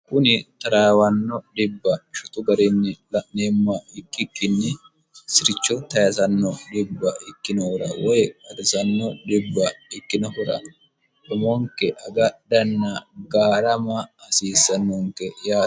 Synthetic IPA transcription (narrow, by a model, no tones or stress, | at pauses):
kʊnɪt̪ɐɾaːwɐnːɔdɪbːɐʃʊt̪ʊɡɐɾɪnːɪlɐʔnemːɐɪkːɪkːɪnːɛ | sɪɾɪt͡ʃːɔt̪ɐjɐzɐnːɔdɪbːɐɪkːɪnɔhʊɾɐ̰wɔjɛkʼɐd̪ɪsɐnːɔdɪbːɐɪkːɪnɔhʊɾɐ̰ | ɗɔmɔŋkɛʔɐɡɐdɐnːɐɡaːɾɐmɐːsiːsːɐnːɔŋkɛjaː